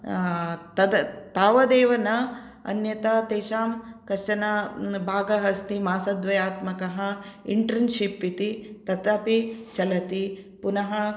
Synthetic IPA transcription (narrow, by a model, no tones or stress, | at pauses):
t̪ɐd̪ɐt̪aːʋɐd̪eːʋɐnɐ | ɐ̰njɐt̪aːt̪eːʃaːmkɐt͡ʃɐnɐbʱaːɡɐɦɐst̪imaːsɐd̪ʋɐjaːt̪mɐkɐɦɐ̆iɳʈɾɐnʃipːit̪it̪ɐt̪ɐpit͡ʃɐlɐt̪ipunɐɦɐ